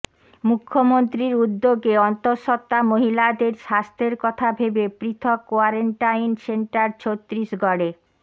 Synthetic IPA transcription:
mukʰːomont̪ɾiɾud̪ːoɡeɔnt̪oʃɔt̪ːamoɦilad̪eɾʃast̪ʰeɾkɔt̪ʰabʱebepɾit̪ʰɔkːoaɾeɳʈajnseɳʈaɾt͡ɕʰot̪ːɾiʃɡɔɽe

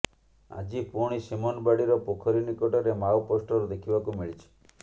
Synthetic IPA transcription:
a̰d͡ʒipuɽ̃isimɔnbaɽiɾɔpokʰɔɾinikɔʈɔɾemawposʈɔɾud̪ekʰibakumiɭit͡ʃʰi̥

